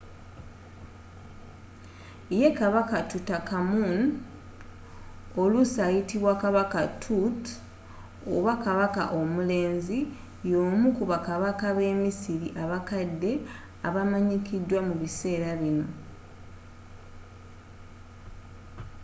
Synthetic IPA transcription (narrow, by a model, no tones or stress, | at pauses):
je̞kaβakatutakamun | o̞lusaːjitiβwakaβakatʰut | o̰βakaβaka̰ʔo̞mule̞ːnzi | jo̞ːmukuβakaβakaβe̞ːmisiɾiʔaβakadːe̞ | aβamaɲikidːwamuβise̞ːɾaβino̞